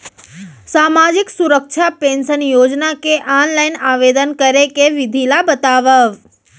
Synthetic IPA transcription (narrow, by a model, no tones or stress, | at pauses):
saːmad͡ʒɪksuɾəkʃʰapẽnʃənjoːd͡ʒnakeʔanlainaːʋed̪ənkəɾekeʋɪd̪ʱilabət̪aːʋəʋ